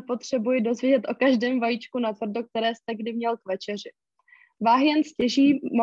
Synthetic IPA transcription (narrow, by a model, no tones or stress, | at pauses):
po̞t̪r̥ɛbujɪdo̞zvjɛɟɛt̪ʔo̞kaʒdɛːmvajiːt͡ʃkunat̪vr̩dok̚t̪ɛɾɛːst̪ɛɡdɪmɲɛlkvɛt͡ʃɛr̝ɪ | vaːɦjɛnscɛʒiːm